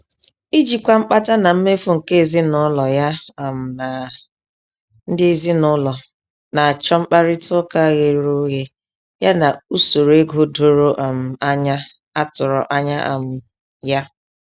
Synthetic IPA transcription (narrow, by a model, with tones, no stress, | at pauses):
i˦d͡ʒi˨kʷa˦ŋ͡m̩˦k͡pa˦ta˦na˨m̩˦me˦fʊ˦ŋ̩˨ke˦˨zi˦nʊ˦lɔ˨ja˦a˨m̩˨na˨ | n̩˦dɪ˦zi˦nʊ˦lɔ˨ | na˨a˨t͡ʃɔ˦ŋ͡m̩˦k͡pa˦ɾɪ˦tʊ˦ka˦ɣe˦ɾu˦ɣe˦ | ja˦na˨u˦so˨ɾo˨e˦ɡo˦do˦ɾo˦ʔa˨m̩˨a˦ɲa˦ | a˦tʊ˨ɾɔ̰˨ʔa˦ɲa̰˦ʔa̰˨m̩˨ | ja˦